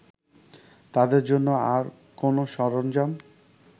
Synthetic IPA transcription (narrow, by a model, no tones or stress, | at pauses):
t̪ad̪eɾd͡ʑonːoaɾ | konoʃɔɾond͡ʑam